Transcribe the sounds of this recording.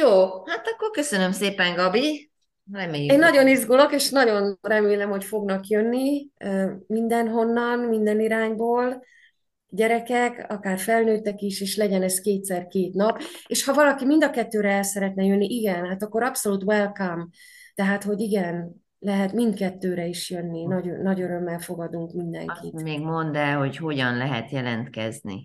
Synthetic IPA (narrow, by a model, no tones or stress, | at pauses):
joːhat̪ɒkːorkø̞sønømseːpɛŋɡɒbi | rɛmeːjɛnɒɟo̞nizɡolo̞keːʃnɒɟo̞nrɛmeːlɛmho̞cfo̞ɡnɒkjønːiømind̪ɛnɦo̞nːɒnmind̪ɛniɾaːɲboːl | ɟɛɾɛkɛkɒ̰kaːrfɛlnøːt̪ɛkiʃeːʃlɛɟɛnɛskeːt̪sɛrkeːt̪nɒpeːʃhɒvɒlɒkimind̪ɒkɛt̪ːøːɾɛɛlsɛɾɛt̪nɛjønːiʔiɡɛnhaːt̪ɒkːo̞ɾɒpso̞luːt̪wɛlkam | t̪ɛɦaːt̪ho̞ɟiɡɛn | lɛɦɛt̪mind̪kɛt̪ːøːɾɛiʃjø̞nːinɒɟøːɒɟøɾø̞mːɛlfo̞ɡɒd̪uŋkmind̪ɛ̰ŋkḭt̪eːɡmond̪ɛlɦo̞cho̞ɟɒnlɛɦɛ̰t̪jɛlɛnt̪kɛ̰znḭ